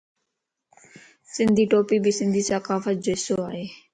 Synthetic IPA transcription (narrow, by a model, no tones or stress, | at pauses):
sɪnd̪ʱiːʈoːpiːbisɪ̃nd̪ʱiːsəkaːfət̪̚d͡ʒoːɪsoːaːɦeː